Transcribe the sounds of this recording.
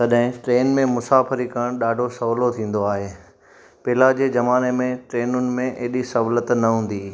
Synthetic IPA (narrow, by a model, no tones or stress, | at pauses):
t̪ɐɗɦɪ̃ʈɾeːnmẽmʊsaːfəɾikɐɽ̃ɗaːɖʱosɐʋlot̪ʰĩːn̆d̪oaːɦeː | pɪːlad͡ʑeːd͡ʑɐmaːnemẽʈɾeːnʊnɪ̆mẽʔeːɗisɐɦlət̪nɐɦũːn̆d̪iː